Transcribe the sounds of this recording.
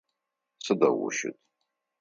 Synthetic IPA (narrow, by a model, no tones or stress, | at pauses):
sɨdawʊʃʊtʼ